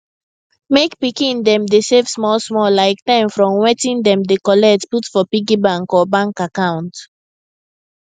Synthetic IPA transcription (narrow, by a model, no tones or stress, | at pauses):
mekpikĩndɛ̃mdesevsmɔlsmɔlaɪk̚tãɪ̃mfɹɔ̃mwetĩnd̪ɛ̃mdekɔlɛtputfɔpiɡibãŋkɔbãŋkakãʊ̃nt